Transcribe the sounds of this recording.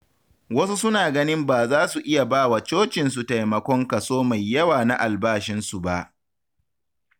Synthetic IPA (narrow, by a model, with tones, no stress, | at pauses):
wɐ˦su˦sʊ˦naː˨ɡɐ˦nɪ˦mbaː˨zaː˦su˨ʔɪ˦ja˨baː˦wa˨t͡ʃoː˦t͡ʃɪ˨nsu˨ta˨jmɐ˨kʷɔ˦ŋka˨soː˦ma˨jːɐ˦waː˨na˦ʔa˨lbaː˦ʃɪ˦nsu˨ba˦ʔ